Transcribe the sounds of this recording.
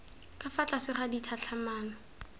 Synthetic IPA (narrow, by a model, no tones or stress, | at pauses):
kʼafat͡ɬʼasɪχaditʰat͡ɬʰamaːna